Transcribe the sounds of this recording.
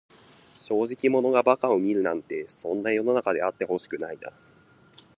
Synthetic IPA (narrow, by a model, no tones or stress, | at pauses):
ɕo̞ːʑikʲimo̞no̞ɡabakao̞mʲiɾɯ̟nãnt̪e̞sõ̞nːajo̞no̞nakad̪e̞at̪ːe̞ho̞ɕi̥kɯ̟naina̰